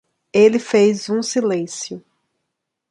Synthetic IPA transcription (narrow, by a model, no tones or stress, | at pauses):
elɪfejzũsilẽsjʊ